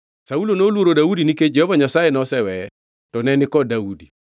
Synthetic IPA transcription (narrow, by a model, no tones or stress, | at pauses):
saulonolwoɾodaudiniked͡ʒɛhɔvaɲasajenɔsɛwɛ | tɔnɛnɪkɔdaudi